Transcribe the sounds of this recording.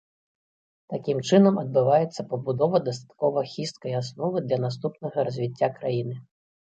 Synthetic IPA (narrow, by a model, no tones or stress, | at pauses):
t̪akʲimt͡ʂɨnɐmɐd̪̚bɨvajɛt̪sːɐpɐbud̪ɔvɐd̪ɐst̪ḁt̪kɔvɐxʲist̪̚kɐjasnɔvɨd̪lʲɐnast̪upnɐɣɐɾɐzʲvʲit͡sʲːakɾajinɨ